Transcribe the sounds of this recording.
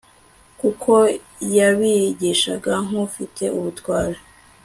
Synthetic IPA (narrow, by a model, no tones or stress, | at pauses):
kukʰo̞ | jaβiɟiʃaɡaŋ̥ufite̞ʔuβutɡwaːɾa